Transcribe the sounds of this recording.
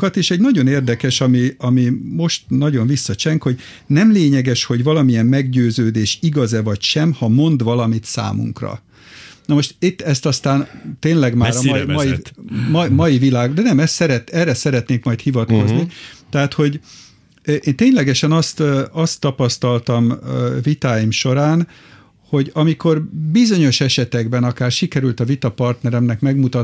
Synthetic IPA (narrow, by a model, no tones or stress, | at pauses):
kɒt̪eːʃɛɟnɒɟo̞neːrd̪ɛkɛʃɒmiɒmimo̞ʃt̪nɒɟo̞ɱvisːɒt͡ʃɛŋkho̞ɟ | nɛmleːɲɛɡɛʃho̞ɟvɒlɒmiɛmmɛɡɟøːzøːd̪eːʃiɡɒzɛvɒcʃɛmhɒmo̞nd̪ʋɒlɒmit̪sa̰ːmṵŋkrɒ̰ | nɒmoʃt̪it̪ːɛst̪ɒst̪aːnt̪eːnlɛɡmaːɾɒjmjimmɒjivilaːɡd̪ɛnɛmɛst̪sɛɾɛt̪ɛrɛsɛɾɛt̪neːkmɒjt̪hivɒt̪ko̞znit̪ɛɦaːt̪ho̞ɟ | ʔeːnt̪eːɲlɛɡɛʃɛnɒst̪ɒst̪ːɒpɒst̪ɒlt̪ɒmvit̪aːjimʃo̞ɾaːn | ho̞ɟɒmiko̞rbizo̞ɲo̞ʃɛʃɛt̪ɛɡbɛnɒkaːrʃikɛɾylt̪ɒvit̪ɒpɒrt̪nɛɾɛmnɛkmɛɡmut̪ɒ